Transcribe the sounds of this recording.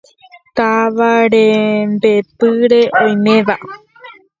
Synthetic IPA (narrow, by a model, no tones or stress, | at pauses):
t̪aʋaɾembe̞pɨɾe̞ʔõ̞j̃mẽ̞ʋa